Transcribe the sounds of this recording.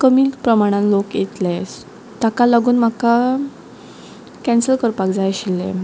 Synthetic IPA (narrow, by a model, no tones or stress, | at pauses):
kəmiːlpɾəmaɽ̃ãnlokjet̪las | t̪akalaɡuːnm̤aka | kɛnsəɾkəɾpakd͡zajɕilːḛ